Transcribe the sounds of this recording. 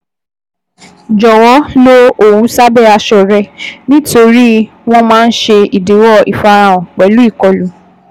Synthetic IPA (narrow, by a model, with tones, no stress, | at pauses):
d͡ʒɔ˨wɔ˨˦lo˦o˨wu˨˦sa˦bɛ˦˨a˧ʃɔ˧˨ɾɛ˧nĩ˦to˧ɾi˦ | w̃ɔ̃˦mãː˦˧˦n̩˦ʃe˧i˨de˨˦wɔ˦˨ḭ˨fa˧ɾã˧˨ɔ̃˨k͡pɛ˨˦lu˦i˦˨kɔ˨lu˨˦